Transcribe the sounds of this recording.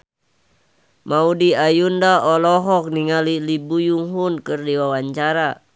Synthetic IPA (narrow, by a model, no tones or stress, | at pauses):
maudiajundaɔlɔɦɔk̚niŋalilibujuŋɦunkɨrdiwawaɲt͡ʃaɾa